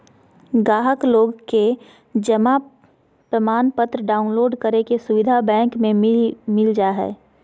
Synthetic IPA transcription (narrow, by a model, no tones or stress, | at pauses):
ɡaːɦəkloːɡke | d͡ʒəma | pɾəmaːnpət̪ɾəɖaːʊnloːɖkəɾekesʊʋɪd̪ʱabɛ̃ːŋkmẽmɪld͡ʒaɦɛ̰ː